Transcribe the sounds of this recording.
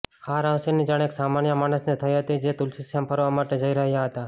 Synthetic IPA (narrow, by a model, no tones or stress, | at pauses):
aɾəʋsinid͡ʒaɽ̃eksamanjəmaɽ̃əsnet̪ʰəjɦət̪id͡ʒet̪ulsisjampʰəɾʋamaʈed͡ʒəiɾəɦjaɦət̪a